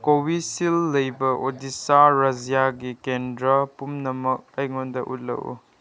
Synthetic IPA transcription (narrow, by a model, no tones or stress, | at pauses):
kowisilːɐjbɐʔodisaɾɐzijaɡikendɾɐpumnɐmɐk̚ɐjŋondɐʔṵt̚lɐ̰wṵ